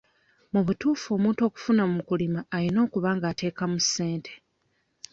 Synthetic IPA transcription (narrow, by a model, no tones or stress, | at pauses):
muβutuːfo̞ːmuːnto̞ːku̥funamukulimaːlino̞ːkuβaːŋɡaːte̞ːkamuse̞ːntʰe